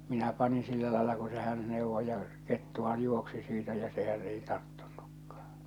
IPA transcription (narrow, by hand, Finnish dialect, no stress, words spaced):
minæ pɑnin silːæ lɑelɑ ku se hæn neˑuʋːo jɑ ketːuhɑj juoksi siːtæ jɑ sehæn ei tɑrtːu̥n̥ːu̥kːɑ̥ː